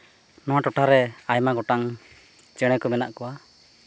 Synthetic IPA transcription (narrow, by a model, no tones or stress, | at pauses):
nɔwãʈɔʈʰaɾɛajmaɡɔʈaŋ | t͡ʃɛɽ̃ɛkɔmɛna̰ʔkɔwa